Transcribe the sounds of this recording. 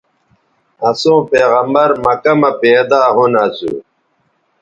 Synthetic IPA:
ɐsõːpeːɣɐmbɐɾmɐkɐmɐpeːd̪aːɦunɐsṵː

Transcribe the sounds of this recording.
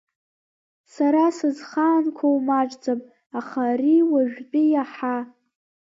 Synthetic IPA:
saɾasɨzχaːnkʷʰowmaʈ͡ʂʼd͡zapʼ | aχariwaʒᶣt͡pʼijaħa

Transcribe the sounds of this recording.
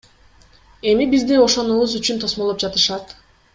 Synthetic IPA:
e̞mibizd̪io̞ʃo̞nuβuzyt͡ʃynt̪ʰo̞smolˠop̚d͡ʒɑt̪ɯʃɑt̪

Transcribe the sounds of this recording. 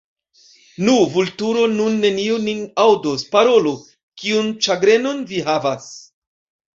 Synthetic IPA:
nuvultuɾo̞nunːe̞niuninawdospaɾo̞lo | kiunt͡ʃaɡɾe̞no̞nviɦavas

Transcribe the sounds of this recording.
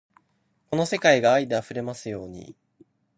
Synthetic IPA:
ko̞no̞se̞kaiɡaːid̪e̞aɸɯ̟ɾe̞masɨjo̞ːɲ̟ḭ

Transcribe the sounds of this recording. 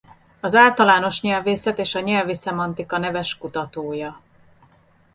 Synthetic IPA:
ɒzaːlt̪ɒlaːno̞ʃɲɛlveːsɛt̪eːʃɒɲɛlvisɛmɒnt̪ikɒnɛvɛʃkut̪ɒt̪oːjɒ

